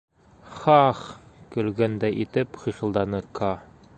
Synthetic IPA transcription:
χɑχkɵ̆lɡænd̪æʔit̪ɘpχĭχɤ̆lˠd̪ɑnɤkʰɑ

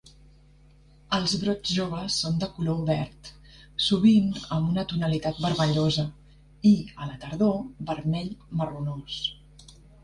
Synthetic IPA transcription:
əlˠzβɾod͡ʒʒoβ̞əsːond̪əkulouβɛɾt̪ | suβ̞inəmbunət̪unəlit̪at̪̚bəɾməʎozə | iələt̪əɾð̞obəɾmɛʎmərunos

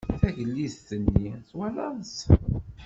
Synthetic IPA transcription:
θæʝəlːisθənːiθwælɑns

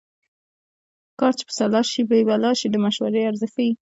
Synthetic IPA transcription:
kɑɾt͡ʃe̥pə̥salɑʃibebalɑʃid̪əmaʃwaɾeaɾzɪfii

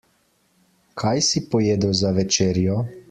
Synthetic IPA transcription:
kʰajsipɔjeːd̪əwzaʋɛt͡ʃeːɾjɔ

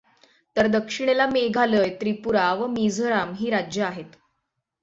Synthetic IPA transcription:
t̪əɾd̪əkʂiɽ̃elameɡʱaləːjt̪ɾipuɾaʋəmid͡zʱəɾamɦiːɾad͡ʑjəaɦet̪

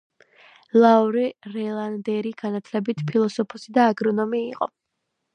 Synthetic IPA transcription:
lˠauɾɛɾɛlˠand̪ɛɾiɡ̥anat̪ʰlɛbit̪ʰpʰilˠɔsɔpʰɔsid̪aːɡɾɔnɔmiːqʼɔ̰

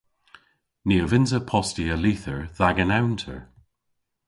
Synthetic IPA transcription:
niəvɪnzəpʰɔstiəliθəɹðaɡənawntʰə̰ɹ

